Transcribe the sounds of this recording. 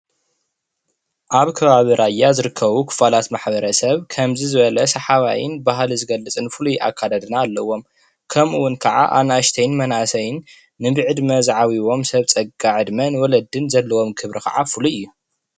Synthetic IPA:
ʔaβkʰɐβaβiɾʔajːazɨɾɨkʰːɐβukʰɨ̥falat̪maħbɐɾɐsɐβkʰɐmzizɨβɐlɐsɐħaβa̰jɪ̰nbaɦlizɨɡɐlɨt͡sʼɨnfɨlujʔa̰kʰːad̪ad̪ɨnaːlːɐwo̞m | kʰɐmʔuwʊnkʰɐʕa̰ʔa̰naʃt̪ʰɐjnmɐnasɐjɪnː | ɨbɨʕɨd̪mɐzʕawiwo̞msɐβt͡sʼɐɡaʕɨd̪mɐnwɔlɐd̪ɨnzɐlːɐwo̞mkʰɨβɾikʰɐ̰ʕafɨluɨjːu

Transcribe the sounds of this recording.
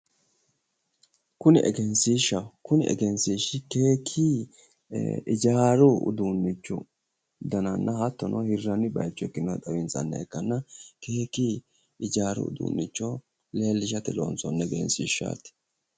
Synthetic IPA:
kʊnɪʔɛ̰ɡɛnsiːʃːɐkʊnɪʔɛ̰ɡɛnsiːʃɪkeːkʰːiː | ɪd͡ʒaːɾʊʊ̰d̪unːɪt͡ʃːɔ̰ | d̪ɐnɐnːɐhɐt̪ːɔnʔɔhɪrːɐnːɪbɐ̰jt͡ʃːɔɛkːɪnɔt̪ʼɐwɪnsɐ̰nːɐ̰ɛkːɐnːɐke̞ːkiː | ɪd͡ʒaːɾʊ̰ʊ̰d̪ṵːnːɪt͡ʃːɔ | le̞ːlːɪʃ̬ɐt̪ɛlo̰ːnsɔnːɛɡɛ̰nsiːʃːa̰ːt̪ɪ̥

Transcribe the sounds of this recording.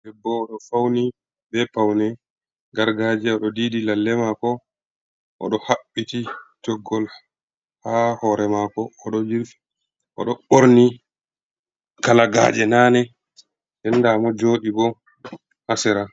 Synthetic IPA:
dɛbːɔːɗɔfawni | bɛpawnɛ | ɡaɾɡad͡ʒɛɔɗɔdiːdilalːɛmakɔ | ʔɔ̰ɗɔhaɓːitid͡ʒɔɡːɔl | hahɔɾɛmakɔːɗɔd͡ʒiɾfi̥ | ʔɔ̰ɗɔɓoɾni | kalaɡa̰ːd͡ʒɛnanɛ | dɛnːdamɔd͡ʒoːɗibɔ | hasɛɾa

